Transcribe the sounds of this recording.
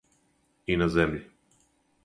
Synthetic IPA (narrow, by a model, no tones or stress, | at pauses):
inazemʎi